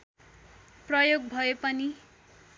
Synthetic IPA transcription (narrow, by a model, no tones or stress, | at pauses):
prʌjoɡ̚bʱʌepʌni